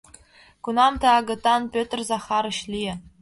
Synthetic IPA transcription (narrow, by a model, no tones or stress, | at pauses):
kunɑmt̪ɤ̆ɑɡɤ̆t̪ːɑnpʲøt̪̆ʲrʲzɑχɑɾɘ̆ɕlʲiɘ̆